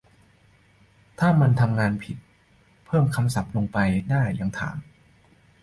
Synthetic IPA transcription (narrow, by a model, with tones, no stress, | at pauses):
t̪ʰaː˥˩ma˧nt̪ʰa˧mŋaː˧npʰi˨˩t̪̚ | pʰɤː˥˩mkʰa˧msa˨˩p̚lo˧ŋpa˧jdaː˥˩jːa˨˩˦ŋt̪ʰa̰ː˩˦m